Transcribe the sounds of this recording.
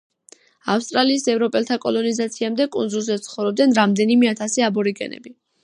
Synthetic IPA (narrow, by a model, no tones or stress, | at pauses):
afst̪ʼɾaliːsɛvɾɔpʼɛlˠt̪ʰakʼɔlˠɔnizat̪sʰiamd̪ɛkʼund̪zulˠzɛtt̪sʰχɔvɾɔb̚d̪ɛnɾamd̪ɛnimɛat̪ʰasiabɔɾiɡɛ̰nɛ̰bi